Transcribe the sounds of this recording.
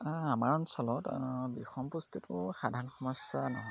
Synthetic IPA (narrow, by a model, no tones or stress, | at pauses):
amaɹɔnsɔlɔtbixɔmpustitʊxadʱaɹɔnxɔmɔsːanɔɦɔj